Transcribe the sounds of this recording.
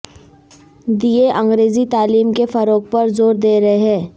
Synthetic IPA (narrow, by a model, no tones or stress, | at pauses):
d̪ieʔɐ̃ŋɡɾeːzit̪aːliːmkefɐɾoːk̚pɐɾzoːɾd̪eːɾɐɦeɦɛ̃ː